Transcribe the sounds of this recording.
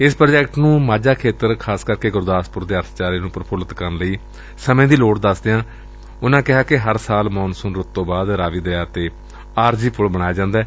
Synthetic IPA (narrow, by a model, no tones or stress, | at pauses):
ɪspɾːd͡ʒɛːkʈnũːmaːd͡ʒaːkʰeːt̪əɾkʰaːskəɾkeːɡʊɾd̪aːspʊɾd̪eːəɾt̪ʰt͡ʃaːɾiːnũːpəɾəpʰʊlət̪kəɾnləiː | səmẽːd̪iːloːʈd̪əsd̪ejãː | ʊnãːkɪɦaːkɪɦəɾsaːlmɔːnsʊnɾʊt̪ːõːbaːd̪ɾaːʋiːd̪əaːt̪eː | aːɾd͡ʒiːpʊlbəɽ̃aːjaːd͡ʒãːnd̪aː